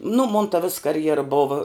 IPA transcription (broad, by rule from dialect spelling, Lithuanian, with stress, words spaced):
nʊ moːn tɐ ʋʲɪs kɐrʲˈjæːrɐ ˈboːʋɐ